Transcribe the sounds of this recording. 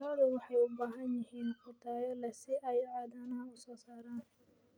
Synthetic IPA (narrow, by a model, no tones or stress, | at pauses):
aːlʊwɑħɑjʊbaːɦɐnjɪɦiːnqʊt̪ʰaːjɐlɐsɪʔɐjɐʕaːðaːnaʊsɔːsaːɾaːn